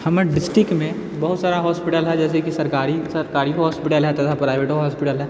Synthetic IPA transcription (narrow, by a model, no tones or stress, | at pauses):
hɐmɖɪsʈɾɪkmẽ | bɐɦʊt̪saːɾaɦɔːspɪʈəlɦɛd͡ʒɛːs̬ekisɐɾkaːɾisɐɾkaːɾiɦɔːspɪʈəlɦɛt̪at̪ʰapɾaːɪʋeːʈoɦɔːspɪʈəlɦɛː